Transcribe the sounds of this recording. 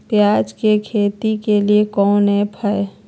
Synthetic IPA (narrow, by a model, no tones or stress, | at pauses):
pjaːd͡ʒkekʰeːt̪ikeliekɔːnɦɛ̃pʰəe